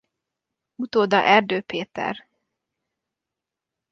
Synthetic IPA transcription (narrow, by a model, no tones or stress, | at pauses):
ut̪oːd̪ɒ̰ʔɛrd̪øːpeːt̪ɛ̰r